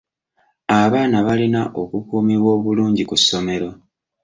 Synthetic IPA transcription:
aβaːnaβalinaʔokukuːmiβwo̞ːβuluːɲɟikusːo̞me̞ɾo̞

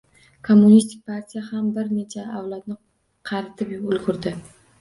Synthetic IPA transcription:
kʰomːʊnist̪ʰɪk̚ʲpʰaɾt̪ʰijahambɪɾne̞t͡ʃʰaawlat̪nɪ | qʰɑɾɪt̪ʰɪpʊlɡʊɾd̪ɪ

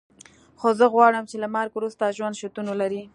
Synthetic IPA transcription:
xozəɣwɑɽəmt͡ʃelamɑɾkwɾust̪aʒwand̪ʃot̪unolaɾi

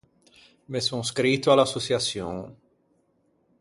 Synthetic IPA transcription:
mesoŋskɾit̪ːoalasːosjasjõ̰ŋ

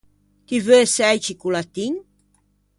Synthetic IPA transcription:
k̪ivøesɛjt͡ʃikulat̪iɲ

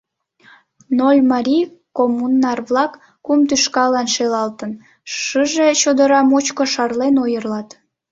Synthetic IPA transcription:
nolʲmɑɾʲikomunːɑrβlɑkː | umt̪yʃkɑlɑnʃelɑlt̪ən | ʃəʒet͡ɕod̪əɾɑmot͡ɕkoʃɑrlenojərlɑt̪

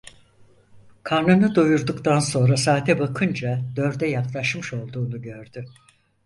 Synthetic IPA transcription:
kʰaɾnɯnɯd̪ujuɾd̪ukt̪ʰanso̞nɾasaːt̪ʰɛbakʰɯnd͡ʒad̪̥ø̞ɾd̪ɛjaklˠaʃmɯʃo̞lˠd̪uːnuɟø̞ɾd̪y

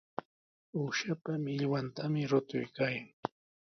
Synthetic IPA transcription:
uʃapamɪʎwant̪amɪɾʊt̪ʊjkaːjaŋ

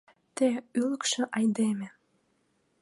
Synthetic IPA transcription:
t̪eyləkʃĕʔɑjd̪emĕ

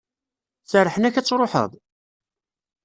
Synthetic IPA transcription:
θəɾˤːəħənæçæt͡sːɾˤoħə̰ðˤ

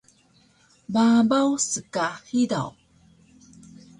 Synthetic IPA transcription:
babawsəkahida̰w

